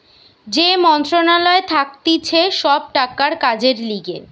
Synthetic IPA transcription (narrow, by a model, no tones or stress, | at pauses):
d͡ʑemɔnt̪ɾonalɔet̪ʰak̚t̪it͡ɕʰeʃɔb̚ʈakaɾkad͡ʑeɾliɡe